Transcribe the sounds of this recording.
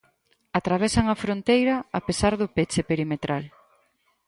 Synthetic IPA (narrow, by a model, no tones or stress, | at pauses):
at̪ɾaβ̞esɐŋɐfɾont̪ejɾɐapesaɾðʊpet͡ʃepeɾimet̪ɾʔal